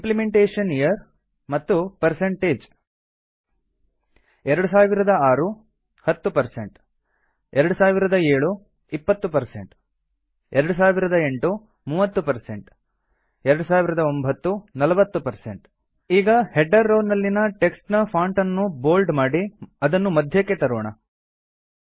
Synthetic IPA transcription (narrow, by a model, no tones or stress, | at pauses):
implimeɳʈeːʂɐnijɐɾ | mɐt̪ːupɐɾse̞ɳʈeːd͡ʒ | ɛɾɐɽus̬aːʋiɾɐd̪ɐaːɾu | hɐt̪ːupɐɾsḛɳʈ | ɛɾɐɽusaːʋiɾɐd̪ɐeːɭu | ipːɐt̪ːupɐɾsḛɳʈ | ɛɾɐɽus̬aːʋiɾɐd̪ɐe̞ɳʈu | muːʋɐt̪ːupɐɾsḛɳʈ | ɛɾɐɽusaːʋiɾɐd̪ɐombʱɐt̪ːunɐlɐʋɐt̪ːupɐɾsḛɳʈ | iːɡɐheɖːɐɾːoːnɐlːinɐʈe̞ksʈnɐpʰaːɳʈɐnːuboːlɖmaːɽiɐd̪ɐnːumɐd̪ʱjɐkːet̪ɐɾoːɳɐ